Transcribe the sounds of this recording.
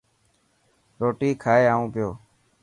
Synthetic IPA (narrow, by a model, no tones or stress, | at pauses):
ɾoːʈiːkʰaːeːaːũːpɪjoː